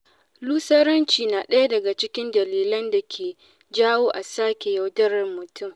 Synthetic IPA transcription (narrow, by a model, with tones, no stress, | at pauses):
luː˦sɐ˦ɾɐ˦nt͡ʃiː˨naː˨ɗɐ˦ja˦dɐ˨ɡa˨t͡ʃɪ˦kʲɪ˦ndɐ˨liː˨lɐ˦nda˨kʲʰeː˨ | d͡ʒaː˦woː˦ʔa˨saː˦kʲe˨ja˨wdɐ˦rɐ˨mʊ˨tʰʊ˦˨m